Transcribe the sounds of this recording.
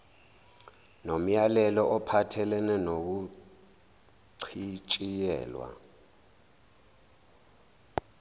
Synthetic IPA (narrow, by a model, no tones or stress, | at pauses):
nom̩jalɛlɔʔɔpʰatʰɛlɛnɛnok̬u | ǀʰit͡ʃʼijɛ̰ːlwa̰